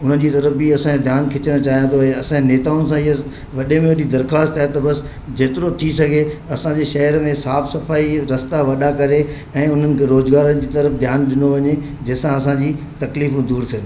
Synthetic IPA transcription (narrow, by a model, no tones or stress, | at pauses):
ʊn̤ən̆d͡ʑiːt̪ɐɾəfbiɐsãed̪ʱjaːnkʰɪt͡ɕəɽ̃t͡ɕaːɦijãt̪ʰoɛ̃ɐsãeneːt̪aːʊnɪ̆sãɪɦə | ʋɐɗemẽʋɐɗid̪ɐɾxaːst̪aːɦet̪ɐbɐs | d͡ʑeːt̪ɪɾot̪ʰisɐɡʱeɐsãd͡ʑeːʃɐɦəɾmẽsaːfsɐfaːiɾɐst̪aʋɐɗakɐɾe | ɛ̃ːʊn̤ənɪ̆kʰeɾoːzɡaːɾənɪ̆d͡ʑiːt̪ɐɾəfd̪ʱjaːnɗɪnoʋɐɲe | d͡ʑɐɦsãɐs̬ãd͡ʑiː | t̪ɐkliːfũd̪uːɾt̪ʰĩn